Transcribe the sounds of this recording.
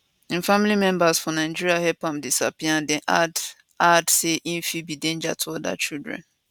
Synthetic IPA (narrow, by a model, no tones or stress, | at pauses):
ĩnfamilimɛ̃mbasfɔnaɪd͡ʒiɹiahɛpãmdisapiãndɛ̃ʔad | adseʔĩnfibidẽnd͡ʒa̰tʰuɔda̰t͡ʃildɹɛ̰̃n